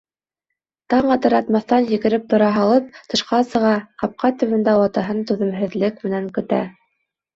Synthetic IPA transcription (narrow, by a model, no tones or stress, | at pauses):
t̪ɑɴɑt̪ɤ̆ɾɑt̪mɑθt̪ɑnjɘ̆ɣɘ̆ɾɘp̚t̪ŏɾɑɦɑlˠɤp̚t̪ɤ̆ʃqɑsɤ̆ʁɑqɑp̚qɑt̪ɵ̆wɘ̆nd̪æwɑt̪ɑɦɤnt̪ʉðɘ̆wɦɘ̆ðlɘkmɘ̆næŋkɵ̆t̪æ̰